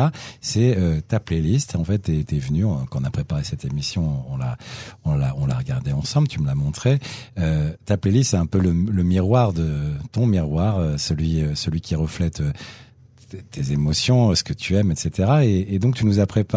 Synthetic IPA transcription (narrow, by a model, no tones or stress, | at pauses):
sɛøt̪aplelist̪ɑ̃fɛt̪ːɛt̪ɛvnyɔ̃kɑ̃ɔ̃napχepaʁesɛt̪emisjɔ̃ɔ̃la̰ɔ̃la̰ɔ̃la̰ʁəɡaʁd̪eɑ̃sɑ̃blt̪ʰyməlamɔ̃t̪χeøt̪aplelist̪sɛɛ̃pølələmiʁwaʁd̪ət̪ɔ̃miʁwaʁøsəlɥiøsəlɥikʲiʁəflɛt̪ø | t̪ʰezemɔsjɔ̃sə̥kət̪ʰyɛmɛt̪set̪eʁaeːd̪ɔ̃k̚t̪ynuzapχepa